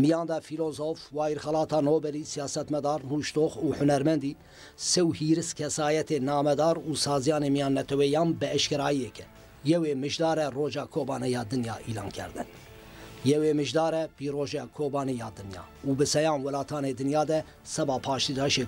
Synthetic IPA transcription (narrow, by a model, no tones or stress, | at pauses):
mijɑːnd̪ɛfiloːzofwɑːiɾxɛlɑːt̪ʰɑːnoːbɛlisijɑːsɛt̪mɛd̪ɑːɾmuːʃt̪oːxuːħʊnɛɾmɛnd̪iː | sɛwhiːɾɨskʰɛsɑːjɛt̪eːnɑːmɛd̪ɑːɾuːsɑːzijɑːneːmijɑːnːɛt̪ʰɛwɛjɑːnbɨɛʃkɛɾɑːiɛkɛ | jɛweːmɨʒd̪ɑːɾɛroːʒɑːkʰoːbɑːnɛjɑːd̪ɨnjɑːʔiːlɑ̰ːnkʰɛ̰ɾd̪ɨ̰n | jɛweːmɨʒd̪ɑːɾɛpiːroːʒɛkʰoːbɑːnijɑːd̪ɨnjɑ̰ːuːbɨsɛjɑːnwɛlɑːt̪ʰɑːneːd̪ɨnjɑːd̪ɛ | sɛbɑːpʰɑːʃt̪id̪ɑːʃe